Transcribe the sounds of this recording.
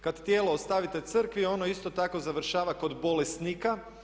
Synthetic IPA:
kad̪t̪jeːloost̪aʋit̪e̞t̪sɨr̩kʋio̞no̞ist̪o̞t̪ako̞zaʋr̩ʃaːʋako̞d̪bo̞lest̪nika

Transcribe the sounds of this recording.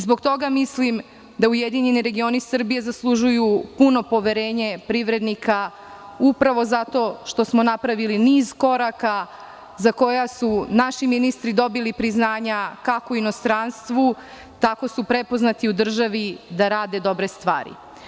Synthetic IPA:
zbo̞ɡ̚t̪o̞ɡamislim | d̪aujed̪iɲe̞niɾe̞ɡio̞nisr̩bije̞zaslˠuʒujupuno̞po̞ʋe̞ɾeːɲepɾiʋɾe̞d̪nikʰa | upɾaʋo̞zat̪o̞ʃt̪o̞smo̞napɾaʋiliniːzko̞ɾaka | zako̞jasunaʃiminist̪ɾid̪o̞bilipɾiznaːɲakakoino̞st̪ɾanst̪ʋu | t̪ako̞supɾe̞po̞znat̪iud̪r̩ʒaʋid̪aɾaːd̪e̞d̪o̞bɾe̞st̪ʋa̰ːɾḭ

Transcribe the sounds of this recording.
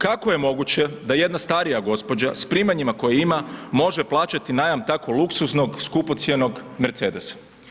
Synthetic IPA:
kakoje̞mo̞ɡut͡ɕe̞d̪aje̞d̪nast̪aɾijaɡo̞spo̞d͡ʑaspɾiːmaɲimako̞jiimamo̞ʒeplˠaːt͡ʃat̪inajamt̪ako̞lˠuksusno̞ɡskupo̞t̪sjeno̞ɡme̞ɾt̪se̞ːd̪e̞sḁ

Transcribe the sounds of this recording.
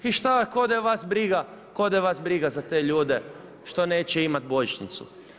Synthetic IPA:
iʃt̪akod̪aʋasbɾiɡakod̪ajʋasbɾiɡazat̪e̞ːʎuːd̪e | ʃt̪o̞ne̞ːt͡ɕeimat̪̚bo̞ʒit͡ʃnit̪sṵ

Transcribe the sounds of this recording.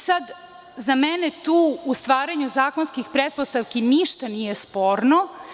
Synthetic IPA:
sad̪ | zamenet̪uːust̪ʋaːɾaɲuzaːkonskixpɾet̪̚post̪aʋkiniʃt̪anijespoːɾno

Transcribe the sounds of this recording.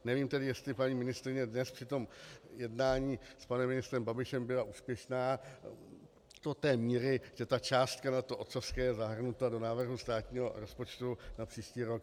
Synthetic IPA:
nɛviːmt̪ɛdɪjɛst̪lɪpaɲiːmɪnɪst̪ɾɪɲɛdnɛspr̥ɪt̪o̞mjɛdnaːɲiːspanɛmːɪnɪst̪ɾɛmbabɪʃɛmbɪlaʔuːspjɛʃnaː | d̥ot̪ɛːmiːɾɪʒɛt̪at͡ʃaːst̪kanat̪oʔot̪sofskɛːjɛzaɦr̩nut̪ado̞naːvr̩ɦust̪aːt̪ɲiːɦo̞ɾo̞spo̞t͡ʃt̪unapr̥iːʃciːɾo̞k̚

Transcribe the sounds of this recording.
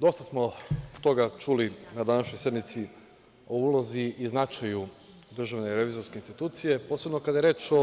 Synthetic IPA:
d̪o̞st̪asmo̞t̪o̞ɡat͡ʃulinad̪anaʃɲosje̞d̪mit̪si | o̞uːlˠoziiznat͡ʃaju | d̪r̩ʒaʋne̞iɾeʋizo̞ɾskeinst̪it̪uːt̪sije̞po̞ːse̞bno̞kad̪ajeɾe̞ːt͡ʃo

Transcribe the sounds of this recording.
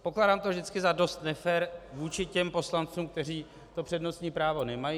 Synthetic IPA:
po̞klaːdaːmt̪ovʒdɪt͡skɪzado̞st̪nɛfɛːɾvuːt͡ʃɪcɛmpo̞slant͡suːmk̚t̪ɛr̝iː | t̪o̞pr̝̥ɛdno̞st̪ɲiːpɾaːvo̞nɛmajiː

